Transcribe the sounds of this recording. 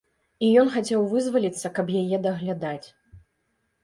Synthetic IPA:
ijɔnxat͡sʲɛwvɨzvɐlʲit̪sːɐkɐbjajɛd̪ɐɣlʲad̪at͡sʲ

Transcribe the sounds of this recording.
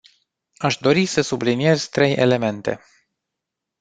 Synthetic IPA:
aʃd̪o̞ɾisəsublinije̞z̥t̪ɾe̞je̞̰le̞me̞nt̪e̞̰

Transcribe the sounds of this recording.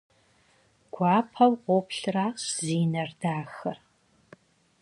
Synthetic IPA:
ɡ̥ʷɑːpʰɐwqʷopɬraːsziːnɐrdaːxɐr

